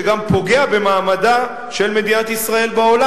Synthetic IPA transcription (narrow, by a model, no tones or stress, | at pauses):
ɡampo̞ɡe̞abe̞maːmad̪a | ʃe̞lme̞d̪inat̪isʁae̞lbao̞la